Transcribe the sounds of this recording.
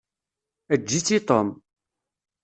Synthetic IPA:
æd͡ʒːit͡sːit̪om

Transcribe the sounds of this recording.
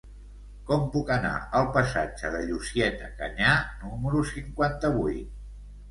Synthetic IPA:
kɔmpukəna̰əlˠpəsad͡ʒəðəʎusiɛt̪əkə̰ɲanuməɾusiŋkwant̪əβujt̪̚

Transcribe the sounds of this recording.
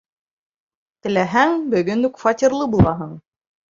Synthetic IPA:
t̪ɘ̆læɦæŋbɵ̆ɣɵnɘkfɑt̪ʲirlˠɤbulˠɑɦɤɴ

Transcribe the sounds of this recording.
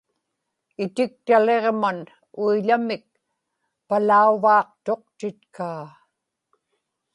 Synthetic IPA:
ɪt̪ɪk̚t̪ale̞ʁman | uiʎamɪk̚ | palauvɑːq̚t̪o̞q̚t̪ɪt̪kaː

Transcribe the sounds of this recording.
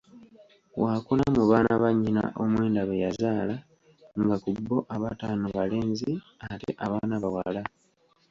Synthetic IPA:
wakunamuβaːnaβaɲːina̰ʔomwe̞ːndaβejazaːla | ŋɡakubːo̞ʔaβataːnoβale̞ːɲzi | atḛʔaβaːnaβawala

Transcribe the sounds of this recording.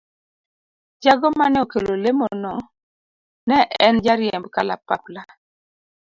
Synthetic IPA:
d͡ʒaɡɔmanɛokelolemonɔ | nɛʔɛnd͡ʒaɾjɛmbkala̰pa̰pla

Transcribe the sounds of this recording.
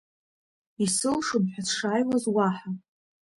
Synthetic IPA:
isɨlʂɨmħʷᶣasʰʂajwazwaħa

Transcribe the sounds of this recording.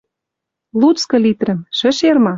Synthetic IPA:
lut͡skɤ̆lit̪rɘ̆mʃɘ̆ʃermɑ

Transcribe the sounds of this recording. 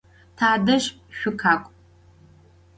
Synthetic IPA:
tʰaːdɐʃ | ʃʷᶣʊkʰaːkʷʼ

